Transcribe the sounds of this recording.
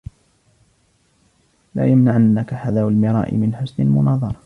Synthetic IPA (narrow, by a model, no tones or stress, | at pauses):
la̰ːjamnaʕanːakaħaðaːwalmɪɾˤɑ̰ːʔɪ̰mɪnħʊsnɪlmʊnɑːðˤɑɾˤɑ